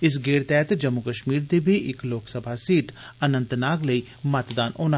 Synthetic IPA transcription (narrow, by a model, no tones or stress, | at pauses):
ɪs̬ɡeːɽt̪ɛːt̪d͡ʒəmːʊkəʃmiːɾd̪eːbʱiːʔɪkloːksəbʱaːsiːʈənə̃nt̪naːkləiː | mət̪d̪aːnʔoːna